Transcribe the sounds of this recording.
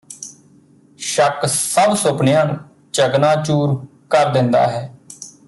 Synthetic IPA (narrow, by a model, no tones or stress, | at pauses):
ʃəksəbsʊpnɪjãːnũː | t͡ʃəɡnaːt͡ʃuːɾ | kəɾd̪ɪnd̪a̰ːɦɛː